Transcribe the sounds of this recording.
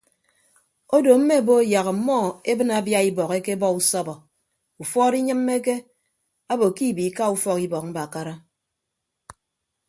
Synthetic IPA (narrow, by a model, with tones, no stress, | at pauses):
o˦do˨m̩˦me˦˨bo˦ja˨ɣa˨m̩˨mɔ˦˨e˦bɨ˦na˨˦bja˦i˦bɔ˨ke˦ke˦bɔ˦u˦sɔ˦bɔ˨ | u˨fɔ˦ɾi˦ɲɨ˦m̩ː˦e˦k̬e˦ | a˦bo˨ki˦˨bi˨˦ka˦u˦fɔ˦ki˦bɔ˨k̚m̩˦ba˨ka˦ɾa˦